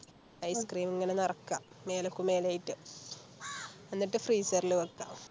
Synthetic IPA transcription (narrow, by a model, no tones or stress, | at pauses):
ɐjskriːmiŋːɐnenɐrɐkːa | me̞ːlokːume̞ːlaːjiʈːɨ | enːiʈːɨfriːsɐrilɨʋɐkːa